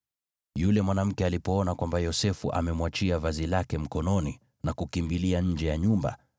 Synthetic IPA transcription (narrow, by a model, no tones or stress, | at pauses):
julɛmwanam̩kɛalipɔɔnakwambajɔsɛfuʔa̰mɛmwat͡ʃiavazilakɛm̩kɔnɔni | nakukimbiliaɲ̩d͡ʒɛjaɲumba̰